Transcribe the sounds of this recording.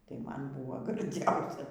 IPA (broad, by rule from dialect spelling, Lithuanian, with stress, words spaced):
tɐɪ ˈmɐn ˈbʊʋoː ɡɐrʲˈd͡zʲɛʊsʲɛ